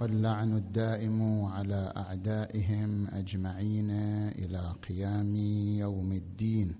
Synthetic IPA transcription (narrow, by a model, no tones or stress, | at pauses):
alːaʕnad̪ːaːʔɪmʕalaːʔaʕd̪aːʔɪɦɪmʔa̰d͡ʒmaʕiːnaʔɪ̰laqɪjaːmjawmɪd̪ːiːn